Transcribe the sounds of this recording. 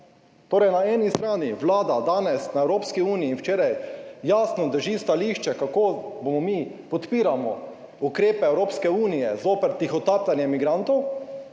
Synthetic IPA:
t̪oːɾɛjnaɛːnist̪ɾaːniʋlaːd̪ad̪aːnɛsnaɛwɾoːpskiuːnijiːnwt͡ʃeːɾajjaːsnɔd̪əɾʒiːst̪aliʃt͡ʃɛkakoːbomɔmipɔt̪piːɾamɔ̰ | ukɾeːpɛɛwɾoːpskɛuːnijɛzoːpɛɾt̪ixɔt̪aːpt̪anjɛmiɡɾant̪ɔw

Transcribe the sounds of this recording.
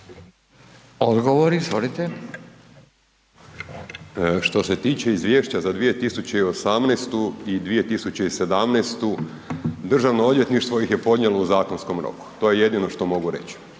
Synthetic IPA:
od̪ɡoʋoɾizʋolit̪e | ʃt̪o̞se̞t̪iːt͡ɕe̞izʋʲjeʃt͡ɕazad̪ʋijet̪isut͡ɕeio̞samneːst̪uid̪ʋije̞t̪isut͡ɕeise̞d̪amneːst̪u | d̪r̩ʒaʋnood̪je̞t̪niʃt̪ʋo̞ixje̞po̞d̪ɲelouzaːko̞nsko̞mɾo̞̰ku̥t̪o̞je̞je̞d̪ino̞ʃt̪o̞mo̞ɡuɾe̞̰t͡ɕi̥

